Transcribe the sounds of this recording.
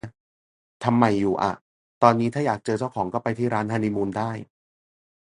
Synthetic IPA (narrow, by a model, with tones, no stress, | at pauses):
t̪ʰa˧mːa˨˩jːuː˨˩ʔa̰˨˩ | t̪ɔː˧nːiː˦˥aː˥˩jaː˨˩k̚t͡ɕɤː˧t͡ɕa˥˩wkʰɔː˩˦ŋkɔː˥˩pa˧jt̪ʰiː˥˩ɾaː˦˥nʰaː˧ni˦˥muː˧ndaː˥˩j